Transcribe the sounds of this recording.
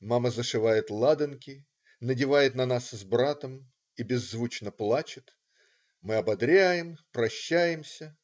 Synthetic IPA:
maməzəʂɨvajɪt̪lˠad̪ɨnkʲɪ | nədʲɪvajɪt̪nɐnaszbɾat̪əm | ibʲɪzːvut͡ɕnəplˠat͡ɕɪt̪ | mɨɐbɐd̪ɾʲæjɪmpɾɐɕːæjɪmsʲə

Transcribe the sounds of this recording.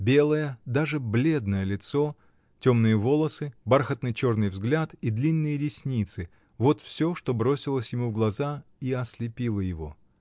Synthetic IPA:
bʲe̞lˠəjəd̪aʐɨblʲe̞d̪nəjəlʲɪt̪so̞ | tʲomnɨjəvo̞lˠəsɨbarxət̪nɨjt͡ɕo̞rnɨjvzɡlʲat̪id̪lʲinːɨjəɾʲɪsʲnʲit̪sɨ | vo̞t̪fsʲo̞ʂt̪o̞bɾo̞sʲɪlˠəsʲjɪmuvɡlˠɐzaiɐslʲɪpʲilˠəjɪvo̞̰

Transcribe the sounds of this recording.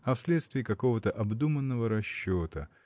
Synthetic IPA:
ɐfsʲlʲet̪st̪vʲɪːkɐko̞vət̪əʔɐbd̪umənːəvəɾɐɕːot̪ə

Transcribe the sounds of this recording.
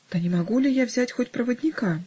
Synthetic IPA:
t̪ɐnʲɪmaɡulʲɪjavzʲatʲxotʲpɾɐvədʲnʲɪka

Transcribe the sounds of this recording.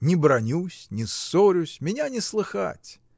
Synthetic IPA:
nʲɪbɾɐnʲusʲnʲɪsoɾʲʊsʲmʲɪnʲanʲɪslˠɨxa̰tʲ

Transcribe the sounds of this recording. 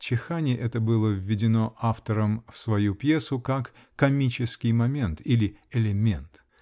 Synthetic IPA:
t͡ɕɪxanʲɪʔɛt̪əbɨlˠəvʲːɪdʲɪno̞ʔaft̪əɾəmfsvɐjupjesʊkakː | ɐmʲit͡ɕɪskʲɪjmɐmʲe̞nt̪ilʲɪɪlʲɪmʲe̞̰nt̪

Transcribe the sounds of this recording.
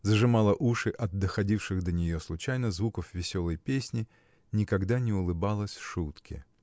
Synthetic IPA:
zəʐɨmɑlˠəʔuʂɨʔɐd̪̚dːəxɐdʲifʂɨxd̪ənʲɪjoslˠʊt͡ɕæjnəzvukəfvʲɪsʲo̞lˠəjpʲesʲnʲɪ | nʲɪkɐɡd̪anʲɪʊlˠɨbalˠəsʲʂut̪kʲɪ̰

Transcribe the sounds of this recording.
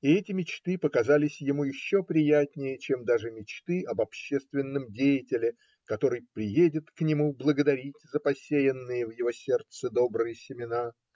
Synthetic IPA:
ɪɛtʲɪmʲɪt͡ɕt̪ɨpəkɐzalʲɪsʲjɪmujɪɕːo̞pɾʲɪjætʲnʲɪjət͡ɕemd̪aʐɨmʲɪt͡ɕt̪ɨʔɐbɐpɕːest̪vʲɪnːɨmdʲejɪtʲɪlʲɪ | kɐt̪o̞ɾɨjpɾʲɪjedʲɪt̪knʲɪmublˠəɡəd̪ɐɾʲitʲzəpɐsʲejɪnːɨjəvjɪvo̞sʲe̞rt̪sɨd̪o̞bɾɨjəsʲɪmʲɪna

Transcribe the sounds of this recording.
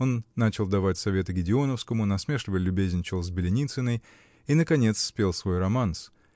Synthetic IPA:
o̞nːat͡ɕɪlˠd̪ɐvatʲsɐvʲe̞t̪ɨɡʲɪdʲɪo̞nəfskəmʊnɐsmʲe̞ʂlʲɪvəlʲʊbʲezʲnʲt͡ɕɪlˠzʲbʲɪlʲɪnʲit̪sɨnəj | inəkɐnʲe̞t̪sːpʲe̞lˠsvo̞jrɐmans

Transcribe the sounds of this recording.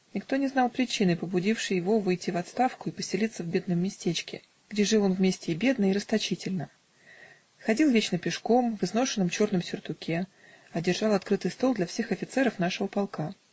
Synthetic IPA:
nʲɪkt̪o̞nʲɪznɑlˠpɾʲɪt͡ɕinɨjpəbʊdʲifʂɨjɪvo̞vɨjtʲːɪvɐt̪st̪afkʊɪpəsʲɪlʲit̪səvbʲe̞d̪nəmːʲɪsʲtʲet͡ɕkʲɪ̰ | ɡ̥dʲeʐɨlˠo̞nvmʲesʲtʲɪːbʲe̞d̪nəɪɾəst̪ɐt͡ɕitʲɪlʲnə | xɐdʲilˠvʲet͡ɕnəpʲɪʂko̞mvɨzno̞ʂɨnːəmt͡ɕo̞rnɨmsʲʊrt̪ʊkʲʰe | ɐdʲɪrʐɑlˠɐt̪kɾɨt̪ɨjst̪o̞lˠd̪lʲɐfsʲe̞xɐfʲɪt̪sɛɾəfn̪aʂəvəpɑlˠka

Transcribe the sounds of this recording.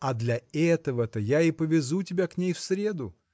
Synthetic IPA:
ɐd̪lʲɐɛt̪əvət̪əjaɪpəvʲɪzutʲɪbʲaknʲejfsɾʲe̞d̪ʊ

